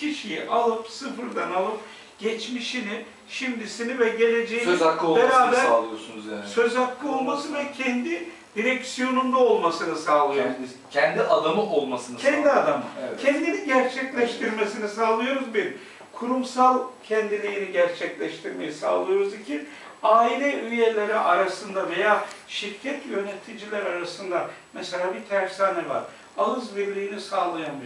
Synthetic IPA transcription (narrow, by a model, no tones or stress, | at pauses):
cʰiʃijiʔalˠɯpsɯfɯɾd̪analˠɯp̚ | ɟ̥ɛt͡ʃmiʃini | ʃimd̪isinivɛɟe̞lʲe̞d͡ʒejakːˠɯolbɛɾaːbɛalˠɯjoɾsunuzjaːnsø̞zak̪ːˠɯo̞lˠmasɯvɛcʰɛnd̪i | d̪̥iɾɛksijo̞nund̪ao̞lˠmasɯnɯsaːlˠɯjoɾ | cʰɛnd̪iʔad̪amɯʔolˠmasɯnɯɛnd̪iad̪amɯɛcʰɛnd̪iniɟæɾt͡ʃʰɛclʲɛʃt̪ʰiɾmesinisaːlˠɯjo̞ɾuzbiɾ | kʰuɾumsalˠcʰɛnd̪ilʲijiniɟæɾt͡ʃʰɛclʲɛʃt̪ʰiɾme̞jisa̰ːlˠɯjo̞ɾuzit͡ʃʰin | aːilʲiyje̞lʲeɾiʔaɾasɯnd̪ave̞jaː | ʃiɾcʰɛt̪jø̞net̪ʰid͡ʒilʲæɾaɾasɯnd̪amɛselʲaːbit̪ʰæɾksaːnɛva̰ɾ | alˠɯzbiɾlʲiːnisaːlˠajani